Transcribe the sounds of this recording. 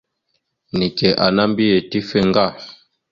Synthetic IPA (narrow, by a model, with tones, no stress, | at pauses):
ni˨kɛ˨ʔa˨na˦mbi˦jɛ˨ti˦fɛ˦ŋ˦ɡa˦˨